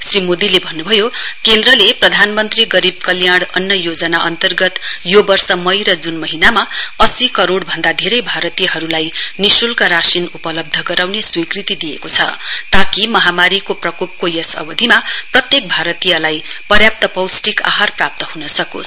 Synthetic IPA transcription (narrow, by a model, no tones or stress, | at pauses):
srimod̪ilebʱʌnːubʱʌjokend̪rʌleprʌd̪ʱanmʌnt̪riɡʌɾib̚kʌljaɽʌnjʌjod͡zʌnaʔʌnt̪ʌrɡʌt̪jobʌrsʌmʌjɾʌd͡zunmʌɦinamaʌsikʌɾoɽbʱʌnd̪ad̪ʱeɾʌjbʱaɾʌt̪ijʌɦʌɾulajnisulkaɾasinupʌlʌb̚d̪ʱʌɡʌɾawneswikrit̪id̪ijekot͡sʰʌ̰t̪akimʌɦamaɾikoprʌkop̚kojʌsʌ̰bʌd̪ʱimaprʌt̪jek̚bʱaɾʌt̪ijʌlajpʌrjap̚t̪ʌpʌwsʈika̰ɦarprap̚t̪ʌɦunʌsʌko̰